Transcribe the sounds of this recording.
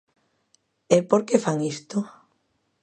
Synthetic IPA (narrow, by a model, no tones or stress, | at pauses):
epoɾkefaŋist̪ʊ